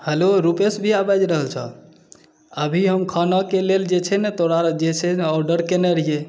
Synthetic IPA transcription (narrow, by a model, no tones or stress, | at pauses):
həloɾupesbʱiabad͡ʒɾəɦəlt͡ʃʰə̰ | əbʱiɦəmkʰanakeleld͡ʒet͡ʃʰɛnɛt̪oɾad͡ʒet͡ʃʰɛnɔɾɖəɾkenɛɾije